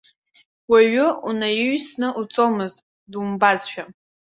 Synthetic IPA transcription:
waɥʊunajʏɥsnɨʔut͡sʼomɨztʼ | dumbazʃᶣa

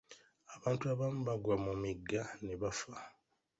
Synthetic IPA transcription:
aβaːntuaβamuβaɡwamumiɡːaneβafa

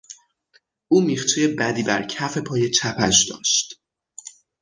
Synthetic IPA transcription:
ʔuːmiːχt͡ʃʰejebæd̪iːbæ̰ɾcʰæfe̞pʰɒːje̞t͡ʃʰæpʰæʃd̪ɒ̰ːʃt̪

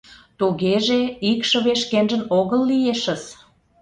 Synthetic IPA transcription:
t̪uɣeʒeikʃə̆βeʃkenʒə̆noɣəlːijeʃə̆z

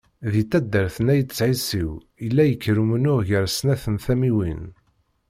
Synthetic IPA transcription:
ðit̪ːæd̪ːəɾθənæjt̪ət͡sːʕisiw | ilːæjəkːɾumənʊʁʝəɾsnæθənθæmiwin

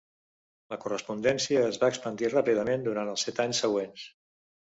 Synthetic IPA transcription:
ləkurəspund̪ɛnsiəːzβaəkspənd̪irapiðəmend̪uɾant̪əlˠsɛt̪aɲsəɣ̞wens

